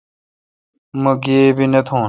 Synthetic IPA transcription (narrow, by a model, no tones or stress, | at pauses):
mɐɡeːbinet̪ʰõː